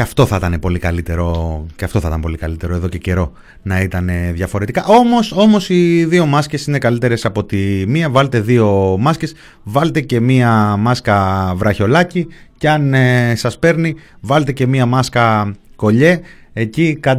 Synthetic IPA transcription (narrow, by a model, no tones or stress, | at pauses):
ɐft̪o̞θɐt̪ɐne̞po̞likɐlit̪e̞ɾo̞ceɐfto̞θɐt̪ɐmpo̞likɐlit̪e̞ɾo̞e̞ðo̞ce̞ce̞ɾo̞ | nɐit̪ɐne̞ðjʝɐfo̞ɾe̞t̪ikɐʔo̞mo̞so̞mo̞siðio̞mɐsce̞sine̞kɐlit̪e̞ɾe̞sɐpo̞t̪imiɐvɐle̞t̪e̞ðio̞mɐsce̞s | vɐle̞t̪e̞ce̞miɐmɐskɐvɾɐço̞lɐciceɐnsɐspe̞ɾnivɐlet̪e̞ce̞miɐmɐskɐko̞ʎe̞ecikɐ